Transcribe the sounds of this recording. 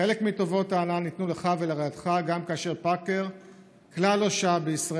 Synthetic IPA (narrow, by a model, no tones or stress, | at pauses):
elekmito̞vo̞taːnanit̪nuleχavelaʁajat̪χaɡamkaːʃe̞ʁpakeʁ | klaloʃabeisʁa